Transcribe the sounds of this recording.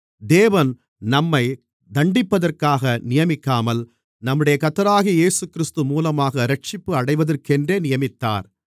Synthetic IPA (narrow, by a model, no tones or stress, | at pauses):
d̪eːʋɐn | nɐmːɐɪ | d̪ɐɳɖɪpːɐðɐrkaːɣɐnɪjɐmɪkːaːmɐl | nɐmːɯɽɐjɐkɐt̪ːɐɾaːɣieːsɯkːɪɾɪst̪ɯmuːlɐmaːɣɐɾɐʈ̚t͡ʃɪpːɯɐɽɐɪʋɐðɐrkɛndreːnɪjɐmɪt̪ːa̰ːɾ